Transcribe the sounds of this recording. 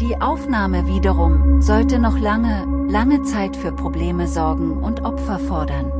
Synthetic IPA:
d̥iːʔaʊfnaːməviːdəʁʊŋzɔltənɔχlaŋəlaŋət͡saɪtfyːɐpʁ̥obleːməzɔɐɡŋ̩ʊntʔɔpfɐfɔɐdɐn

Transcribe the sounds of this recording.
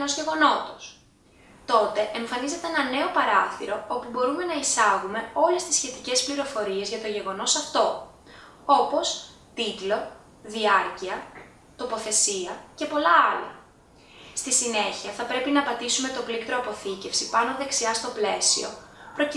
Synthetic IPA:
no̞zʝe̞ɣo̞no̞t̪o̥s | t̪o̞t̪e̞ʔeɱfɐnize̞t̪eenɐne̞o̞pɐɾɐθiɾo̞o̞pubo̞ɾume̞nɐisɐɣume̞o̞le̞st̪isçe̞t̪ice̞spliɾo̞fo̞ɾie̞zʝɐt̪o̞ʝe̞ɣo̞no̞sɐft̪o̞ | o̞po̞s | t̪it̪lo̞ | ðiɐɾciɐ | t̪o̞po̞θe̞siɐce̞po̞lɐɐlɐ̰ | st̪isine̞çiɐθɐpɾe̞pinɐpɐt̪isume̞t̪o̞plikt̪ɾo̞ɐpo̞θice̞fsipɐno̞ðe̞ksiɐst̪o̞ple̞sio̞̰pɾo̞c

